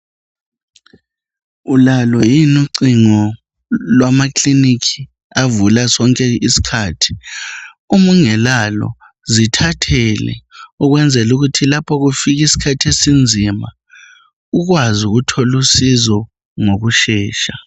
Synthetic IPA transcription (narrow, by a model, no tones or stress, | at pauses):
ulalɔjinuǀiŋɔ | lwamakʰlinikʰi | avulasɔŋkʼɛisi̥kʰaːtʰi̥ | umuŋɛlalɔ̰ | zitʰatʰɛlɛ̰uɣwɛnd͡zʱɛluɣutʰilapʰɔɣufiɣ̬isi̥kʰatʰiesind͡zʱima | uɣ̬wazuɣutʰɔlusizɔ | ŋoɣuʃɛːʃa